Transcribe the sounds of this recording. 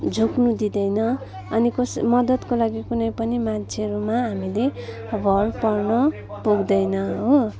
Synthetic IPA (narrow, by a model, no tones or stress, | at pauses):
d͡zʱuknud̪id̪ʌjnʌ | ʌnikʌsmʌd̪ʌt̪kolaɡikunʌjpʌnimant͡sʰeʌɾumaɦamile | bʱʌrpʌrnʌ | puɡd̪ʌjnʌɦo